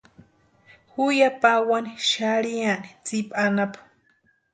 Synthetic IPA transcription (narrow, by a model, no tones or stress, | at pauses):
hujapawaniʃaɾianit͡sipʼanapḁ